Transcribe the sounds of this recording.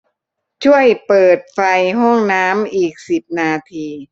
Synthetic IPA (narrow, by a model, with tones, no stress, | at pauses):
t͡ɕʰu˥˩əjpɤː˨˩t̪̚fa˧jɦɔ˥˩ŋnaː˦˥mʔiː˨˩k̚si˨˩p̚naː˧t̪ʰiː˧